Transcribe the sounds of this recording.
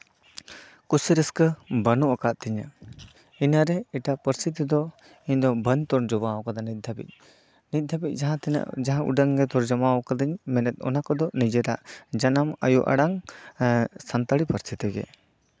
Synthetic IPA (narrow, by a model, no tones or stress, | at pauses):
kusiɾəskəbənuʔakaʔt̪iɲa̰ | inaɾɛɛʈapəɾst̪it̪̬id̪ɔ | iɲd̪ɔbəɲt̪ɔɾɳd͡ʒɔbawɔkad̪anit̪̚d̪ʱabḭc̪̚ˀ | nit̪̚d̪abic̚ˀãt̪d͡ʒaɦãʔṵɖəŋɡɛt̪ɔɾd͡ʒamawɔkad̪əɲmɛnɛt̪̚ɔ̰nakɔd̪ɔnid͡ʒɛɾaʔd͡ʒanama̰jṵʔa̰ɽaŋ | sant̪aɽipəɾst̪it̪ɛɡɛ̰